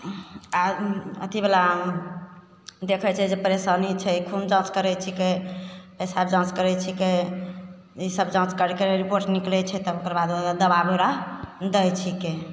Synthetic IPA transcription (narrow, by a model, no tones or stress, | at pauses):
aə̰t̪ibela | d̪ekʰɛt͡ʃʰɛd͡ʒepəɾesanit͡ʃʰɛkʰumd͡ʒãt͡ʃkəɾɛt͡ʃʰike | esabd͡ʒãt͡ʃkəɾɛt͡ʃʰike | isəbd͡ʒãt͡ʃkəɾkeɾipoɾʈniklɛt͡ʃʰɛt̪ɔokəɾbad̪od̪əbabeɾad̪əjt͡ʃʰike